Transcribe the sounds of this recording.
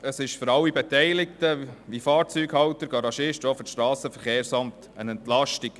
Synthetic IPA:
əsɪʃfʏɾɑlːibɛt̪ɛɪlɪkt̪əʋifɑːɾt͡syːɡhɑwt̪əɾɡ̥ɑɾɑʃɪʃtoːfəʃtɾɑːsəfəɾχeːɾsɑmt | ənɛntlɑʃtiɡ̥

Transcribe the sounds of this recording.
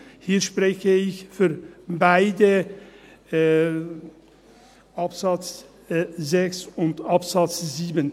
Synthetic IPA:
hiːɐʃpʁ̥ɛçəɪçfyːɐbaɪdə | ʔapzat͡s | zɛksʊntapz̥at͡sz̥iːbən

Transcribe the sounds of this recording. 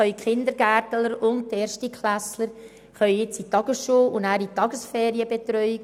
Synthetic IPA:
œʏɥkχɪnd̪əɾɡæːɾtələɾʊnt̚teːɾʃtikχlæsləɾ | χœɥɪt͡sitɑɡəsʃuːʊnnæːɾitːɑɡəsfɛːɾiəbet̪ɾœʏ

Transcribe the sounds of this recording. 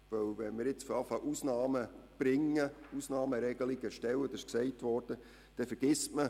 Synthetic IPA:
vœwvɛnmɪɾjɪt͡sfɔɾɑfɑʔusnɑːməb̥ɾɪŋːəusnɑːməɾɛɡ̥əliɡəʃtɛwəd̥̪ɑɪʃksɛɪtʋɔɾd̥ə | d̥ɛfɛɾɡ̥ɪsmə

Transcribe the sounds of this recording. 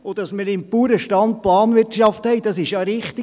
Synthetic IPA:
od̥̪ɑsmɪɾɪmpuːɾəʃtɑnt̚plɑːnʋɪtʃɑfthɛɪd̥ɑsɪʃjɑɾɪχt̪i

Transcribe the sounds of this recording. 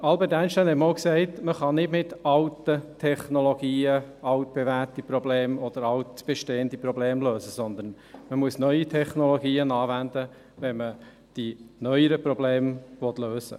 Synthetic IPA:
ɑlbɛɾtæɪnʃtæɪnhɛtmoʊksɛɪtməχɑnɪdmɪtɑltətʰɛχnoloɡiːəɑʊt̚b̥evætipɾɔbleːmɔd̪̥əɾɑltb̥ɛʃteːəndipɾɔbleːmløːsəsɔnd̪ən | məmuəsnœʏitʰɛχnoloɡiːənɑːvænd̪ə | ʋɛnmə | d̥inœʏəɾəpɾɔbleːmvɔt̪løːsə̰

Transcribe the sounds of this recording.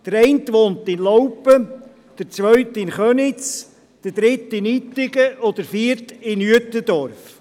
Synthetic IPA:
d̥əɾɛɪntʋoːntɪnlɔwpə | d̥əɾt͡sʋœɥtɪnχœnɪt͡s | d̥əd̥ɾɪtɪnit̪ːɪɡəʔɔd̥̪əɾfiəɾtɪnyətəd̥̪ɔɾf

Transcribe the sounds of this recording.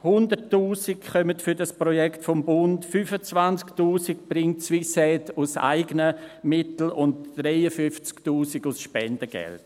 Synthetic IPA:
hʊndəɾtːuːsikχœmətfʏdaspɾɔjɛktfɔmbʊntfyfət͡svant͡sktuːsik̚b̥ɾɪŋtt͡sʋisɛtʊsa̰ɪɡənəmɪtl̩ʊntɾɛɪəfʏft͡sktuːsiɡʊsʃpɛndəɡ̥ɛ̰lt

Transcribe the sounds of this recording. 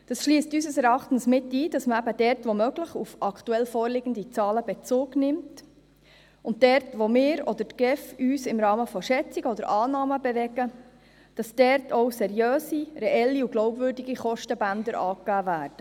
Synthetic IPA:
d̥ɑsʃliːstysəsɛɾɑχtn̩smɪtːiːd̥ɑsməæbəd̥ɛrtʋomœɡləχufɑktuɛlfɔːɾlɪɡən̩dit͡sɑːləbɛt͡sʊːɡnɪmt | ʊnt̚d̥ɛɾtʋomɪːɾɔd̥ətɡ̥ɛfyːsɪmɾɑːməfɔʃɛt͡siɡəɔdəɾʔɑːnɑːməbɛʋɛɡ̥ə | d̥ɑsd̥ɛɾtʰɔwsɛɾjøːsiɾɛʔɛlːiuɡlɔʊwbvʏːɾdiɡiχɔʃtəbænd̪əɾʔɑːkæːvæːɾd̥ə

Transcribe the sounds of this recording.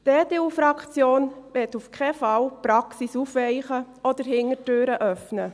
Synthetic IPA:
d̥eːdeːuːfɾɑkt͡sjoːnʋɛtufkʰɛfɑlpɾɑksisuːfʋɛɪχəʔɔd̥əɾhɪŋətøːɾəʔœfnə

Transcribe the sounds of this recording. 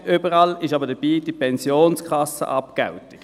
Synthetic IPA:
ybəʁɑlɪʃɑbədəb̥iːd̥ipʰɛnsjoːnskʰɑsə̰ʔɑpkɛ̰ʊtɪɡ̥

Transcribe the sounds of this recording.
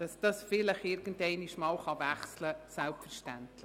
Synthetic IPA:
d̥ɑsd̥ɑsfɪlɪχɪɾɡ̥ən̩dtɛɪniʃmɑːlχɑvæχsləsɛlpfəɾʃtæntlɪ

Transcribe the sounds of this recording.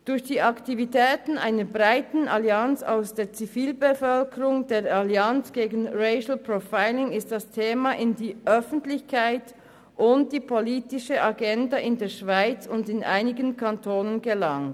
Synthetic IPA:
d̥ʊɐçd̥iːaktivitʰɛːtn̩ʔa̰ɪnəbʁaɪtn̩aliant͡sa̰ʊsd̥eːɐt͡siviːlbəfœlkəʁʊŋdeːɐaliant͡sɡ̥eːɡn̩ʁeɪʃl̩pʁofaɪlɪŋɪst̚d̥astʰeːmaʔɪndiːʔœfn̩tlɪçkʰaɪt | ʔʊntd̥iːpʰoliːtɪʃəʔaɡɛndaʔɪndeːɐʃv̥aɪt͡sʊndɪnʔa̰ɪnɪɡənkʰantʰoːnənɡəlaŋt

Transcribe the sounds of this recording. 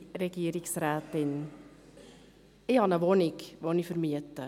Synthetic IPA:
rəɡiəɾiŋsræːtin | iɦɑnəʋonikʋonifərmiətə

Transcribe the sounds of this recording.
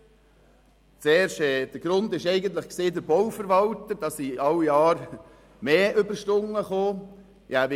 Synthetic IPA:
t͡seːɾʃɛːd̪̥əɾɡ̥ɾʊnd̪ɪʃɛɪɡənt̪ləχkseːd̪əɾbɔwfəɾʋɑlt̪əd̥ɑsiɑlːijɑːɾ | meːʔʏbəʃtʊŋːəχoː | jæʋ

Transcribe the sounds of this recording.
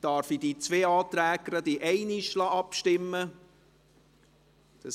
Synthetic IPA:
d̥ɑːɾfid̥̪it͡sʋeːɑːt̪ɾæːɡəɾəd̪iʔɛɪnɪʃlɑɑpʃtɪmːə | d̪̥ɑ

